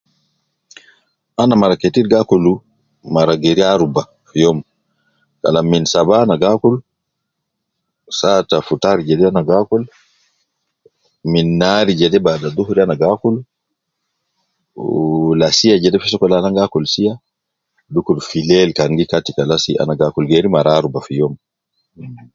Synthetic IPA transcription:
anamaɾaketiɾɡakɔlu | maɾaɡeɾiaɾuba | fjɔm | ka̰laminsabanaɡakɔlu | satafutaɾid͡ʒɛdɛanaɡakɔl | minːaɾid͡ʒɛdɛbadaduhɾianaɡakulu | lasijad͡ʒɛdɛfisɔkɔlanaŋɡakɔlsija | dukulfilɛlkaŋɡikatikalasia̰naɡakulɡeɾimaɾaaɾubafijɔm

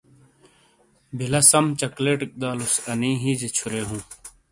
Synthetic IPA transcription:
bʱilɐsɐmt͡ɕɐkleːʈik̚d̪aːlusɐnĩːɦiːd͡ʑet͡ɕʰuɾeːɦũː

